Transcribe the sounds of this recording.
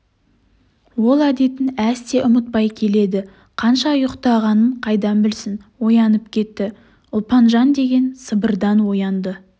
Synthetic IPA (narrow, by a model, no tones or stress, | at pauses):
wo̞lˠæd̪e̞t̪ɪnæst̪e̞ʔʊmət̪̚pɑjkʲʰe̞le̞d̪ɪ | qʰɑnʃɑjʊqt̪ɑʁɑnəɴqʰɑjd̪ɑnbɪlsɪnwo̞jɑnəpkʲʰe̞t̪ːɪ | ʊlˠpɑnʒɑnd̪e̞ɡʲe̞nsəbəɾd̪ɑnwo̞jɑnd̪ə